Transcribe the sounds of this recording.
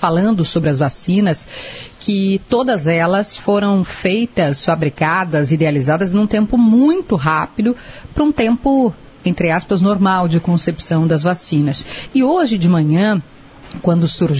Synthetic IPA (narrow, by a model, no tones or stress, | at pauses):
falɐ̃nd̪ʊsobɾɪɐzvasĩnɐskʰɪt̪od̪ɐzɛlɐsfoɾɐ̃w̃fejt̪ɐsfabɾikad̪ɐzid̪ealizad̪ɐznũt̪ẽmpʊmũj̃t̪ʊɦapid̪ʊpɾɐũt̪ẽmpʊ | ẽnt̪ɾɪaspɐznoɾmawd͡ʒɪkõsepsɐ̃w̃d̪ɐzvasĩnɐsɪoʒɪd͡ʒɪmɐ̃ɲɐ̃ | kwɐ̃nd̪ʊsuɾʒ